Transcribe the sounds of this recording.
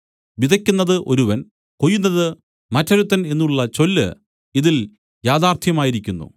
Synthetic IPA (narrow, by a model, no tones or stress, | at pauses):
ʋid̪ʱɐkʲːunːɐðɨʔo̞ɾuʋɐn | kojːunːɐðɨ | mɐtːɐɾut̪ːɐne̞nːuɭːɐt͡ɕo̞lːɨ̰ | iðil | jaːðaːrt̪ʰjɐmaːjiɾikʲːunːṵ